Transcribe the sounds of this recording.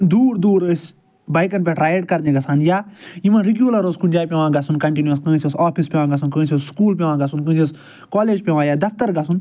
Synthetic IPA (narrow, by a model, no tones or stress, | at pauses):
d̪uːɾd̪uːɾəsʲ | baːjkɐnpʲeʈɾaːjeʈ̚kɐɾd̪ẽɡɐsanjaːjimɐ̃nɾiɡjuːlɐɾozkʰund͡ʒaːjpʲẽʋãːɡɐsunkɐɳʈinjɐskɐ̃sʲsaːpʰispʲẽʋãːɡɐsʰunkɐ̃siosskuːlp̬ʲẽʋãːɡɐsunkə̃sis | kɔːleːd͡ʒpʲẽʋãːjaːd̪ɐft̪ɐɾɡɐsʰun